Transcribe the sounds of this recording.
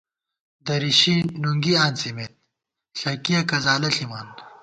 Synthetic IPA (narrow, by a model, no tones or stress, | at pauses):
d̪ɐɾiɕinuŋɡiaːnsimeːt̪̚ | ɬɐkijɐkɐzaːlɐɬimaːn